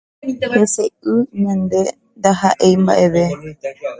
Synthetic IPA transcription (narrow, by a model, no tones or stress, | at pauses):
heseɨɲãnd̪e̞ | nd̪aɦaʔejmba̰ʔe̞ʋe